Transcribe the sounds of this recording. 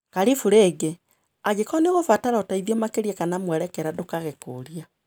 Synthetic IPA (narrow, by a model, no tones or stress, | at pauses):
kaɾifuɾeːɡe | aɡekɔneɣofataɾɔtaiðiɔmakeɾiɛkanamwɛɾɛkɛɾadokaɣeko̰ːɾia